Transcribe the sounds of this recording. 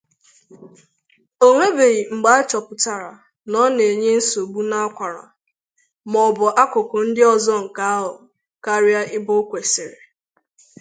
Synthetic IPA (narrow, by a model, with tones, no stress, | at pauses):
o˦ŋʷe˦be˨ɣi˨ŋ͡m̩˨ɡ͡ba˦a˦t͡ʃɔ˨pʊ˨ta˨ɾa̰˨ | nɔ˦ne˨e˨ɲe˦n̩˦so˨ɡ͡bu˦na˦a˦kʷa˨ɾa̰˨ | mɔ˨bʊ˨ʔa˦kʊ˨kʊ˨n̩˦dɪ˦ɔ˨zɔ˦ŋ̩˨ka˨˦a˦ɦʊ˨ | ka˦ɾja˦ʔɪ˦bʊ˦kʷe˨sɪ˨ɾe˨